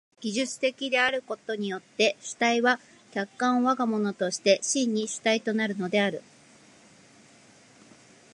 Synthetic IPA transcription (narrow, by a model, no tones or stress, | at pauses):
ɡ̥ʲiʑɨt͡sɨ̥t̪e̞kʲid̪e̞aɾɯ̟ko̞t̪o̞ɲ̟ijo̞t̪ːe̞ɕi̥t̪aiβa | kʲakːãɰ̃βaɡamo̞no̞t̪o̞ɕi̥t̪e̞ɕĩɲ̟ːiɕi̥t̪ait̪o̞naɾɯ̟no̞d̪e̞aɾɯ̟